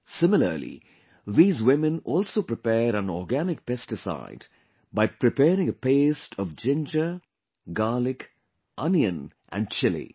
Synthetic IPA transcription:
sɪmɪlə̰lḭ | ðiːzwɪmɨ̃nɔːlsoːpɾɪpɛːɾæ̃nɔːɡænɪk̚pɛstɪsa̰ɪd | baɪpɾɪpɛːɾɪ̃ŋəpeːstʰɔʋd͡ʒɪ̃nd͡ʒə | ɡaːlɪk | ʔʌniə̃n | ʔæ̰̃nɖ̚t͡ʃɪlḭ

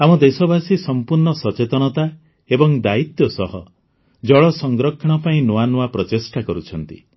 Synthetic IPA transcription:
amɔd̪esɔbasisɔmpuɾɳɔsɔt͡ʃet̪ɔñɔt̪a | ebɔŋd̪ait̪jɔsɔɦɔ | d͡ʒɔɭɔsɔŋɡɾɔkʰːɔɽ̃ɔpaĩnowanuwapɾɔt͡ʃesʈakɔɾut͡ʃʰɔnt̪ḭ

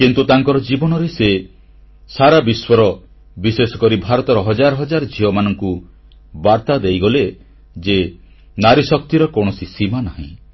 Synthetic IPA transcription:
kint̪ut̪aŋkɔɾɔd͡ʒibɔnɔɾese | saɾabiswɔɾɔ | bisesɔ̥kɔɾibʱaɾɔt̪ɔɾɔɦɔd͡ʒaɾɔɦɔd͡ʒaɾd͡ʒʱiɦɔmanɔŋku | baɾt̪ad̪ejɡɔle | d͡ʒe | naɾisɔk̚t̪iɾɔkoɽ̃ɔsisimanaɦḭ̃

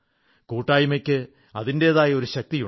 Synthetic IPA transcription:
kuːʈːaːjumɐkʲːɨ | ɐðinde̞ɐðaːjɐo̞ɾuɕɐk̚t̪iju

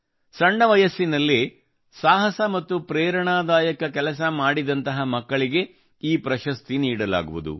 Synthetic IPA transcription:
sɐɳːɐʋɐjɐsːinɐlːi | saːɦɐsɐmɐt̪ːupɾeːɾɐɳaːd̪aːjɐkɐkɛlɐs̬ɐmaːɽid̪ɐnt̪ɐɦɐmɐkːɐɭiɡe̞ | iːpɾɐʃɐst̪iniːɽɐla̰ːɡuʋud̪ṵ

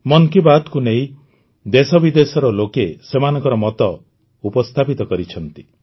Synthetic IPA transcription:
mɔŋkibad̪kuneĩ | d̪esɔbid̪esɔɾɔlokesemanɔ̃ŋkɔɾɔmɔt̪ɔ | upɔst̪ʰapit̪ɔkɔɾit͡ʃʰɔnt̪i

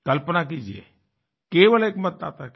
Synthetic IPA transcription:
kəlpənak̬iːd͡ʒiḛ | keʋəleːkmət̪a̰ːt̪ak

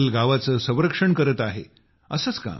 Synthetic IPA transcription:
lɡaʋat͡səsə̃w̃ɾəkʂəɳkəɾət̪aɦe | əsət͡ska̰

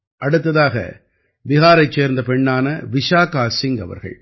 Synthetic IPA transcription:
ʔɐɽɯt̪ːɐðaːɣɐ̰ | ʋɪɣaːɾɐɪt͡ʃːeːɾnd̪ɐpɛɳːaːnɐʋɪʂaːkaːsɪŋɡɐ̰ʋɐ̰ɾɣɐ̰ɭ

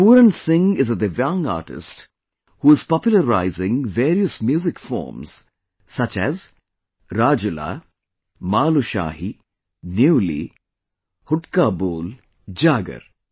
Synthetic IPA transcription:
puːɾə̃nsɪ̃ŋɪzəd̪əʋjãŋa̰ːʈɪ̰sʈ | huːɪz̥pɔpjʊləɾaɪzɪ̃ŋʋeːɾiəsmjuːzɪkfɔ̰ːɾmz̥ | sɐt͡ʃɛ̰z | ɾaːd͡ʒʊla̰ | maːluʃa̰ːɦi | njuːlḭ | hʊʈkaːboːl | d͡ʒaːɡə̰ɾ

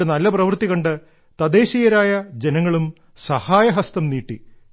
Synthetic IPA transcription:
enɐlːɐprɐʋɨrt̪iko̞ɳɖɨ | t̪ɐd̪e̞ːɕijɐɾaːjɐd͡ʑe̞nɐŋːɐɭum | sɐhaːjɐɦɐst̪ɐmniːʈːi

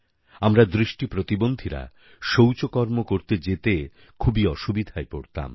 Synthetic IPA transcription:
amɾad̪ɾiʃʈipɾot̪ibond̪ʱiɾa̰ | ʃowt͡ɕokɔɾmokoɾt̪ed͡ʑet̪e | kʰubiɔʃubid̪ʱaepoɾt̪a̰m

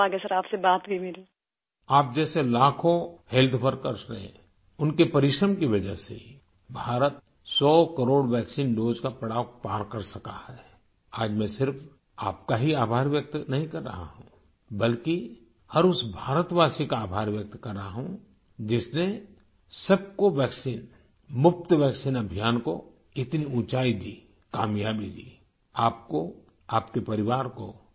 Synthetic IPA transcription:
aːɡesəɾaːpsebaːt̪bimɪli | aːp̚d͡ʒɛːselaːkʰõhɛlt̪ʰʋəɾkəɾsɾəɦḛ̃ | ʊnkepɐɾɪʃɾəmkiʋɐd͡ʒə̰ɦsḛ | bʱaːɾət̪̚ | sɔːkəɾoːɽʋɛːksiːnɖoːd͡ʒkapɐɽaːʋpaːɾkɐɾsɐka̰hɛː | aːd͡ʒmẽsɪɾf | a̰ːp̚kaɦiaːbʱaːɾʋjək̚t̪nɐɦĩkɐɾːə̰ɦa̰ɦũ | bɐlki | hɐɾʊsbʱaːɾət̪ʋaːsikaːbʱaːɾʋjɐk̚t̪kɐɾːəaɦũ | d͡ʒɪsne | sɐb̚koʋɛːksiːn | mʊp̚t̪ʋɛːksiːnɐbʱijaːnko | ɪt̪niũːt͡ʃaːid̪iː | kaːmjaːbid̪iː | aːp̚ko | aːpkepɐɾɪʋaːɾko

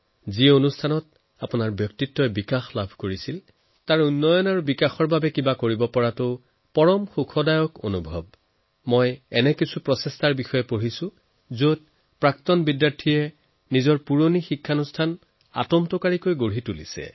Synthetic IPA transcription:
zionustʰanɔt | apʊnaɹbjɔk̚titːɔbikaxlabʱkoɹisil | taɹunːɔjɔnaɹubikaxɔɹbabɛkibakoɹibɔpɔɹatʊ | pɔɹɔmxukʰɔdajɔko̰nubʱɔb̚ | mojɛnɛkisupɹɔsɛstaɹbixɔjɛpoɦisʊ̃ | zot̚ | pɹaktɔnbidːaɹtʰijɛ | nizɔɹpuɹonixikʰːanustʰan | a̰tɔmtɔkaɹikojɡoɹitulḭsɛ̰

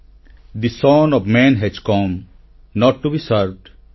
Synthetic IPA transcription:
d̪isɔ̃ːnɔʋmɛ̃nɦɛd͡ʒkɔ̃ːm | nɔːʈːubisəɾʋɖ

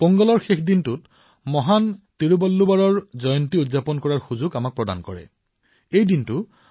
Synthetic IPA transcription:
pɔŋɡɔlɔɹxexʰdintʊt | mɔɦantiɹubɔlːubaɹɔɹzɔjɔntiutzapɔnkɔɹaɹxuzuɡamak̚pɹɔda̰nkɔɹɛ̰ | ejdintʊ

